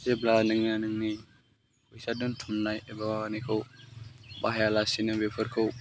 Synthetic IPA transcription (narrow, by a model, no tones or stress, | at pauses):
zeblanɯŋnanɯŋni | kujsaduntʰumnajebanikʰɯw | baɦjalasinɯbepʰɯɾkʰɯw